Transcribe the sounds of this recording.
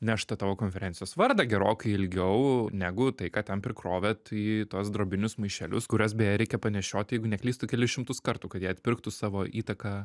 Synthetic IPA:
nʲɛʃt̪ɐt̪ɑːʋoːkoːnʲfʲɛɾʲɛːntt͡s̪ʲɪjoːsʋɐɾd̪ɐɡʲɛɾoːkɐɪɪlʲɡʲɛʊnʲæːɡʊt̪ɐɪkɑːt̪ʲɛnpʲɾʲɪkɾoːʋʲɛt̪iːt̪uɔsd̪ɾoːbʲɪnʲʊsmɐɪʃʲɛlʲʊskʊɾʲɛs̬bʲɛjɛɾʲɛɪkʲɛpɐnʲɛʃʲoːt̪ʲjɛɪɡʊnʲɛklʲiːst̪ʊkʲɛlʲɪsʃʲɪmt̪ʊskɐɾt̪uːkɐt̪jiːɐt̪ʲpʲɪɾkt̪ʊsɑːʋoːʔiːt̪ɐkɑː

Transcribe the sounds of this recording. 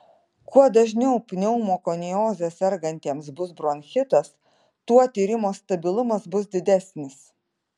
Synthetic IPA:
kuɔd̪ɐʒʲnʲɛʊpʲnʲɛʊmoːkonʲijoːzʲɛsʲɛɾɡɐnʲt̪ʲeɛmsbʊsbɾoːnʲxʲɪt̪ɐs | t̪uɔt̪ʲiːɾʲɪmoːst̪ɐbʲɪlˠʊmɐsbʊsd̪ʲɪd̪ʲæsʲnʲɪs

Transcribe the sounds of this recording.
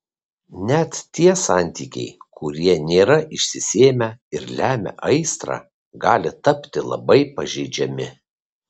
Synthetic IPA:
nʲɛt̪t̪ʲiɛsɑˑnʲt̪ʲiːkʲɛ̰ɪkʰʊɾʲiɛnʲeːɾɐʔɪʃʲsʲɪsʲeːmʲɛɪɾlʲæːmʲɛ̰ʔɐɪst̪ɾɑ̰ː | ɡɑːlʲɪt̪ɐpʲt̪ʲɪlˠɐ̰bɐɪpɐʒʲɛɪd͡ʒʲɛmʲɪ

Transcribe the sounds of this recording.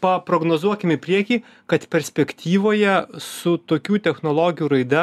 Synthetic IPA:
pɐpɾoːɡnoːzuɔkʲɪmɪpʲɾʲiɛkʲiː | kɐt̪pʲɛɾʲsʲpʲɛkt̪ʲiːʋoːjɛsʊt̪oːkʲuːt̪ʲɛxnoːlˠoːɡʲɪjuːɾɐɪd̪ɐ

